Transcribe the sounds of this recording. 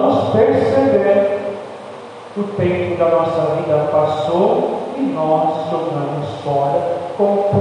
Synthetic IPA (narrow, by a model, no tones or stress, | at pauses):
ʊspeɾsebeɾ | ʊt̪ẽmpʊd̪ɐnɔsɐvid̪ɐpasowɪnɔzlovɐ̃mʊsfɔɾɐkõp